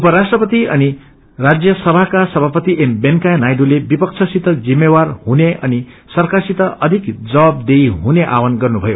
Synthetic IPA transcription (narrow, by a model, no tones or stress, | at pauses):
upʌɾasʈrʌpʌt̪iʌni | rad͡zjʌsʌbʱakasʌbʱapʌt̪iʔembenkajnajɖulebipʌk̚t͡sʰʌsit̪ʌd͡zimːewarhuneʌni | sʌrkarsit̪ʌʌd̪ʱikd͡zʌwab̚d̪ejɦuneʔa̰wʌnɡʌrnubʱʌjo